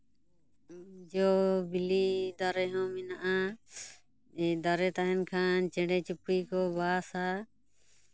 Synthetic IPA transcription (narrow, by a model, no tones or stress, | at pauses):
d͡ʒɔbilid̪aɾɛɦɔ̃minaʔa | ɛd̪aɾɛt̪aɦɛnkʰant͡ʃɛɳɖɛt͡ʃupikɔbaːsa